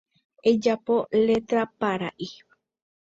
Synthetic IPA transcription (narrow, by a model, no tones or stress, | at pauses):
ed͡ʒapo̞le̞t̪ɾapaɾaʔi